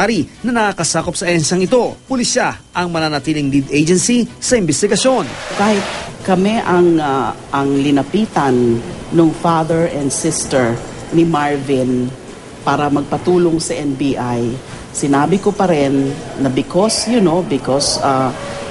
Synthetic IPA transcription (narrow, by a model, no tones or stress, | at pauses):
aɾinɐnɐkakɐsaːkop̚sɐʔɛnsɐŋɪt̪o̞pʊlisaʔɐŋmɐnanɐt̪iːlɪŋlid̪ejd͡ʒɛnsisɐʔɪmbɛst̪ɪɡɐso̞nkaːhɪt̪̚kɐmɛʔɐŋa | ʔɐŋlɪnɐpiːt̪ɐnːʊŋfad̪ɛɹʔɛ̃nd̪sɪst̪ɛɹ | nɪmaɹvɪn | paːɾɐmɐɡ̚pɐt̪uːloŋsɐʔɛnbiːʔaj | sɪnaːbɪkopɐɾɛnːɐbɪkosjʊnobɪkosa